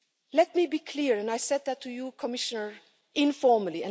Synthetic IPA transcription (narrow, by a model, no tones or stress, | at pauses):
lɛt̚mibiːkʰl̥iɹɨ̃naɪsɛd̪̚ðətʰujukʰɔmɪʃənə˞ | ʔɪ̃nfɔɹməliɨ̃n